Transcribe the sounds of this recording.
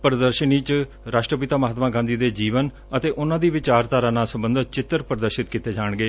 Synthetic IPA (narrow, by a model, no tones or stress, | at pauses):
pəɾd̪əɾʃəniːt͡ʃ | ɾaːʃʈɾəpɪt̪aːməɦaːt̪mãːɡãːnd̪iːd̪eːd͡ʒiːʋən | ət̪eːʔʊnãːd̪iːʋɪt͡ʃaːɾt̪aːɾãːnaːsəmbənd̪t͡ʃɪt̪ːəɾpəɾəd̪əɾʃɪt̪kit̪eːd͡ʒaːɳɡeː